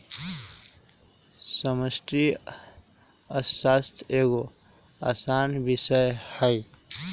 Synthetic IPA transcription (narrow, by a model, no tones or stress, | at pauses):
səməsʈ̪ɾi | əsast̪ʰeɡoasanbisəjhəj